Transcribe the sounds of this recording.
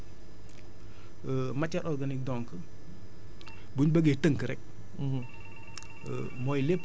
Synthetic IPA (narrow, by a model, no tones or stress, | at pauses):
mat͡ʃːaɾʔɔɾɡanik̚dɔŋkə | buɲbəɡetəŋkəɾɛk̚ | mɔjlep